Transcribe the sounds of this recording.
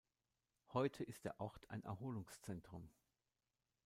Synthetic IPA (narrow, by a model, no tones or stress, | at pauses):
hɔʏtʰəʔɪst̚d̥eːɐʔɔʁtʰa̰ɪnʔɛ̰ɐɦoːlʊŋst͡sɛntʁ̥ʊm